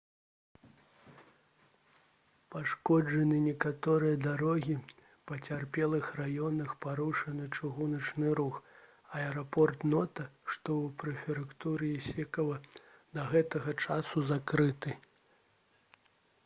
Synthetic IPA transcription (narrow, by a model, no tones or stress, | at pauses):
paʂkɔd͡ʐɐnɨnʲɛkat̪ɔɾɨjɐd̪aɾɔɣʲi | pɐt͡sʲarpʲɛlˠɨxrajɔnɐxpaɾuʂɐnɨt͡ʂɨɣunɐt͡ʂnɨɾux | ɐɛɾɔpɔrt̪nɔt̪ɐʂt̪ɔwpɾɛfʲɛɾɨkt̪uɾɨjisʲɛkɐvɐd̪ɐɣɛt̪ɐɣɐt͡ʂasuzakɾɨt̪ɨ